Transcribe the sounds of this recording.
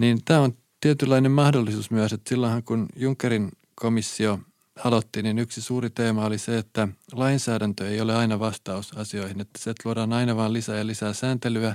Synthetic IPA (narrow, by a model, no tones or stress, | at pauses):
niːnt̪æːon | t̪iet̪ylːɑinemmɑhdolːisuːsmyæset̪silːonhɑŋkunjuŋkːeɾin | komisːio | hɑlot̪ːiːninyksisuːrit̪eːmɑoliseet̪ːælɑinsæːɾænt̪øeioleɑinɑʋɑst̪ɑusɑsio̞ihinet̪ːæ̥seet̪luoɾɑːnɑinɑʋɑːllisæːjɑlisæːsæːnt̪elyæ